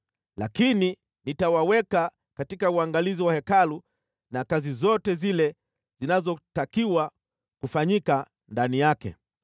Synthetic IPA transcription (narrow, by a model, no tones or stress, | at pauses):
la̰kini | nitawawɛka | katikauaŋɡaliziwahɛkalu | nakazizɔtɛzilɛ | zinazɔtakiwa | kufaɲika | ndanijakɛ̰